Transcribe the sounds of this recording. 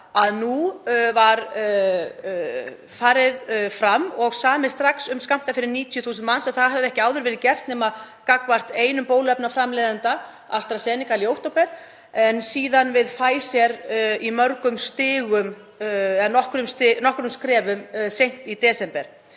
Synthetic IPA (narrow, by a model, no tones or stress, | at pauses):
aðnuvaɾ | faːɾɪðfɾamːɔɣsaːmɪðst̪ɾaksʏmskam̥t̪afɪɾɪɾniːt̪ʰjʏθuːsɪnt̪mansɛnθaðɦɛvðʏɛhcɪaːwðʏɾvɛːɾɪcɛr̥t̪nɛːma | kakvar̥t̪eːjnʏmpoːwlɛpnafɾamlejðant̪a | a̰st̪ɾasɛːnɪkaljowht̪owpɛɾ̥ | ɛnsiːðanvɪðfaːjsjɛɾimœɾkʏmst̪ɪːɣʏm | ɛnːɔhkɾʏmst̪ɪnɔhkɾʏmskɾɛːvʏmsejŋ̥t̪it̪ɛːsɛmpɛɾ̥